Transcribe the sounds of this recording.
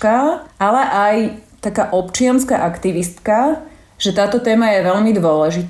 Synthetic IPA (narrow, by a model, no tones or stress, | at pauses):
kaalɛʔajt̪akaːʔɔpt͡ʃɪanskaːʔakt̪iʋist̪ka | ʒ̥ɛt̪aːt̪ɔt̪ɛːmajɛʋɛʎmid̪ʋʊɔlɛʒit̪